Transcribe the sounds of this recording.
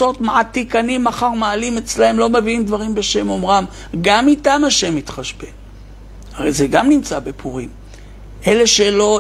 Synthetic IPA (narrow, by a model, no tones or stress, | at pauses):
o̞tmaat̪ːikanimːaχaʁmaːlimet͡slahemlo̞meviimd̪vaʁimbe̞ʃe̞mo̞mʁam | ɡamitamaʃe̞mit̪χaʃbe | haʁḛjzeɡamnimt͡sabepʰuʁim | ʔe̞le̞ʃelo̞